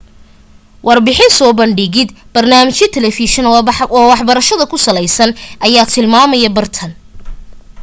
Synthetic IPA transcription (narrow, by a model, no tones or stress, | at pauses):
wʔɑrbɪħɪnsɔːbɐɳɖɪɣɪd̪b̥ɐrnaːmɪt͡ʃɪt̪ʰɛlɛfiʃɛnːwɑħbɐɾɐʃɐðɐkʰʊsɐlɛjsɐnʔɐjaːt̪ʰɪlmaːmɐjɐbɐrt̪ʰɐn